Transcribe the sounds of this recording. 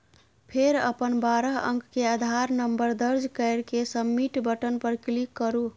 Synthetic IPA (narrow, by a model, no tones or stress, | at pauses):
pʰeɾə̰pənbaɾəɦə̰ŋkkead̪ʱaɾnəmbəɾd̪əɾd͡ʒkəɪɾkesəmːiʈbəʈənpəɾklikːəɾu